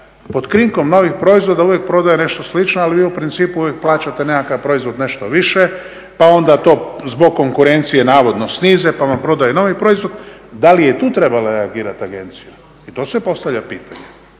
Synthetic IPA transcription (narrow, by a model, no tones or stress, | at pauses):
po̞d̪kɾiŋko̞mno̞ʋixpɾo̞izʋo̞d̪auʋjek̚pɾo̞d̪ajene̞ʃt̪o̞slit͡ʃnoaliʋiːupɾint̪siːpuuʋjek̚plˠaːt͡ɕat̪enekakaʋpɾo̞izʋo̞d̪ne̞ʃt̪oʋiʃe | pao̞nd̪at̪o̞ːzbo̞ɡ̚kːo̞ŋkuɾe̞nt̪sije̞naːʋo̞d̪nosniːzepaʋampɾo̞d̪ajeno̞ʋipɾo̞izʋo̞d̪d̪alijet̪uːt̪ɾe̞balaɾeaɡiːɾat̪aɡe̞nt̪sija | it̪o̞ːsʋepo̞st̪aʋʎʲapiːt̪aɲe